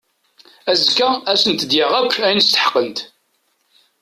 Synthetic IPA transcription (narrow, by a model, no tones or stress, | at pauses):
æzkːææsənt̪d̪jɪʁækʷːæjnəst̪ə̥ħqənt̪